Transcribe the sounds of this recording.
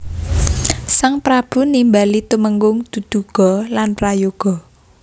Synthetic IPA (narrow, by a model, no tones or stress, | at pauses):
saŋpɾab̥ṳnimbalit̪uməŋɡʊŋd̪̥ṳd̪̥ṳɡ̥ɔ̤lanrajoɡ̥ɔ̤